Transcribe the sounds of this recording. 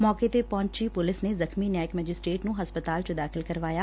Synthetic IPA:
mɔːket̪epɔ̃ːɲt͡ʃipʊlɪsnezəxmiːnaːɪkmɛːd͡ʒɪsʈɾeːʈnũɦəspət̪aːlt͡ʃod̪aːkʰɪlkəɾʋaːjaː

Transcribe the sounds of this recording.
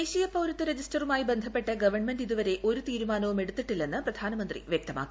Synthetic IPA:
eːɕijɐpɐwɾɐt̪ːɐɾed͡ʑisʈɐrumaːjibe̞nd̪ʱɐpːe̞ʈːɐɡɐʋɐrɳmendɖiðuʋɐɾe̞ʔo̞ɾut̪iːɾumaːnɐʋume̞ɽut̪ːiʈːilːe̞nːɨprɐd̪ʱaːnɐmɐnd̪rḭʋjek̚t̪ɐma̰ːkːi

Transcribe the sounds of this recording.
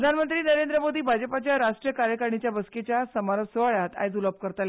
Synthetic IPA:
d̪ʱanmənt̪ɾiːnəɾend̪ɾəmod̪ʱiːbʱad͡ʑəpat͡ɕjaɾaʂʈɾijəkaɾjəkəɾɳit͡ɕjabəsket͡ɕjasəmaɾəsəʋaɭjat̪a̰jd͡z̪uləb̚kəɾt̪al

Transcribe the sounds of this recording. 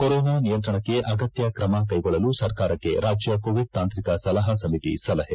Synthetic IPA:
koɾɔːnaːnijɐnt̪̬ɾɐɳɐkːe̞ʔɐɡɐt̪jɐkɾɐmɐkɐjɡɔɭːɐlusɐɾkaːɾɐkːe̞̰ɾaːd͡ʒjɐkoːʋiɖ̚t̪aːnt̪ɾikɐsɐlɐɦɐsɐmit̪ḭsɐlɐɦe

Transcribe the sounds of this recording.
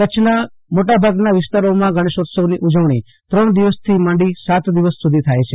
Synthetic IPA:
kət͡ʃʰna | moʈabʱaɡnaʋɪst̪aɾomãɡʱəɽ̃eʃod̪səniʔud͡ʒəʋɳ̃i | t̪ɾəɳd̪iʋəst̪ʰimãɳɖisat̪d̪iʋəsːud̪ʱit̪ʰajt͡ʃʰe

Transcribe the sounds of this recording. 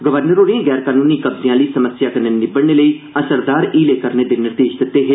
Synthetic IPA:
ɡəʋəɾnəɾoːɾiẽːɡɛːɾkaːnuːniːkəbzijãːləiːsəməsjaːkənːeːnɪbəɽɳeːləiː | əsəɾd̪aːɾiːleːkəɾneːd̪eːnɪɾd̪eːʃd̪ɪt̪ːeːɦeː

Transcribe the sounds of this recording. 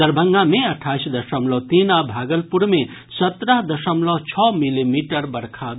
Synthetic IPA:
d̪əɾbʱəŋɡameəʈʰasd̪əʃəmlɔt̪inabʱaɡəlpuɾme | sət̪ɾʌɦd̪əsəmlɔt͡ʃʰɔmilimiʈəɾbəɾkʰa

